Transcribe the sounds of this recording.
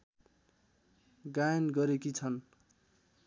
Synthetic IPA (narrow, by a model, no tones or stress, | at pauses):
ɡajnɡʌɾekit͡sʰʌn